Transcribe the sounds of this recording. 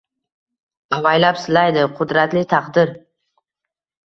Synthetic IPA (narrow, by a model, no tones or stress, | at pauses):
avajlapsɪlajd̪ɪqʰʊd̪ɾat̪lɪt̪ʰɑqd̪ɪɾ